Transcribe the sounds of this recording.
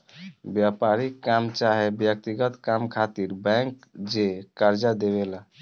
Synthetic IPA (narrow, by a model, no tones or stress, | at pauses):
bjapaɾikːamt͡ʃaɦebjək̚t̪iɡət̪kamkʰat̪iɾbɛ̃ŋkd͡ʒekaɾd͡ʒad̪eβela